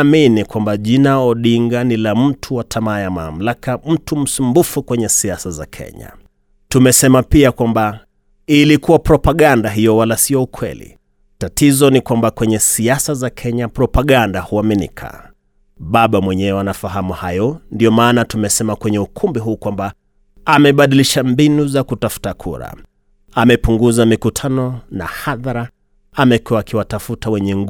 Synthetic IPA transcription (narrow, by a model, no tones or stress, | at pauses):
minikwambaʄinaɔɗiŋɡanilam̩tʰuwatʰamaːjama̰m̩lakam̩tum̩sumbufukwɛɲɛsiasaza̰kʰɛ̰ɲa̰ | tumɛsɛmapiakwamba | ilikuwapɾɔpaɠandaɦijɔwalasiɔukʰwɛ̰lḭ | tatizɔnikwambakwɛɲɛsiasazakʰɛɲapɾɔpaɠandahuaminḭkʰa̰ | ɓaɓamwɛɲɛwɛanafaɦamuhajɔndiɔmaːnatumɛsɛmakwɛɲɛukʰumbiɦuːkwamba | amɛɓaɗiliʃambinuzakutafu̥takʰṵɾa̰ | amɛpuŋɡuzamikutʰanɔna̰haðaɾa | amɛkuwaːkiwatafutawɛɲɛŋɡ